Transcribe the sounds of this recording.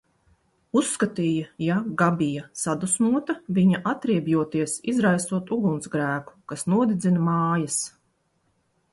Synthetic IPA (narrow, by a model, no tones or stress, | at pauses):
usːkat̪iːjɐjaɡabijasad̪usnuɔt̪ɐviɲaʔat̪ɾiɛbjuɔt̪iɛsizɾajst̪uɔt̪uɡunsɡɾæːku̥kasnuɔd̪id̪zinɐmaːjɐs